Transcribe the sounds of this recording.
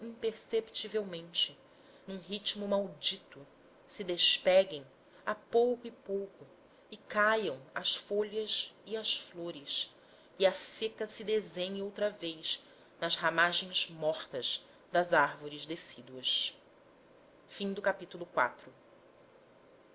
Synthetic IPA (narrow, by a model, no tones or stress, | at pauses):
ĩpeɾsept͡ʃivewmẽnt͡ʃɪ | nũɦit͡ʃmʊmawd͡ʒit̪ʊ | sɪd̪eʃpɛɡẽj̃ | apowkʊipowkʊ | ɪkajɐ̃w̃ɐsfoʎɐziɐsfloɾɪs | iɐsekɐsɪd̪ezẽɲowt̪ɾɐvejʃ | nɐzhamaʒẽj̃zmɔχt̪ɐz | d̪ɐzaɾvoɾizd̪esid̪uɐʃ | fĩd̪ʊkapit̪ulˠʊkwa̰t̪ɾʊ